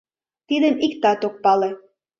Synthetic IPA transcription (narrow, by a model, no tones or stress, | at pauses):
t̪id̪ə̆mikt̪ɑt̪ok̚pɑle